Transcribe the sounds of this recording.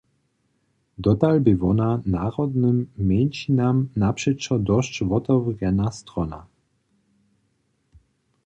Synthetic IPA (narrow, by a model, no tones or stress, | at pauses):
d̪ɔt̪albɪvɔnanaʁɔd̪nɘmːɛnʲt͡ɕinamnapʂɛʂɔd̪ɔʃt͡ɕvɔt̪ɔvʁɛnast̪ɾɔna̰